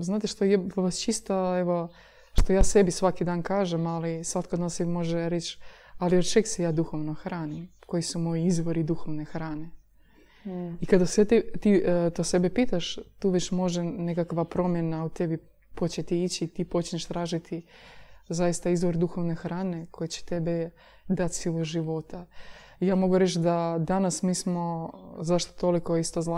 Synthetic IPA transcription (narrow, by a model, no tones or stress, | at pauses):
znaːt̪iʃt̪ojeʋast͡ʃist̪aeʋo̞ | ʃt̪o̞jaːse̞bisʋakid̪aːnkaːʒemalisʋat̪kod̪nansebimo̞ʒeɾet͡ɕ | aliot͡ʃeksejaːd̪uxoʋnoxɾaːnimko̞jisumo̞jiizʋo̞ɾid̪uxoʋnexɾaːne̞ | ikad̪aset̪it̪it̪ose̞bipit̪aʃt̪uːʋet͡ɕmo̞ʒenekakʋapɾo̞mjenaut̪e̞bi | po̞t͡ɕet̪iit͡ɕiːt̪ipo̞t͡ʃɲeʃt̪ɾaːʒit̪ʰi | zajist̪aizʋo̞ɾd̪uxo̞ʋne̞xɾaːne̞kʰo̞jet͡ɕe̥t̪e̞be | d̪at̪siloʒiʋo̞t̪a | ijaːmo̞ɡuɾet͡ɕd̪ad̪anasmiːsmo̞zaʃt̪ot̪o̞likoist̪ozla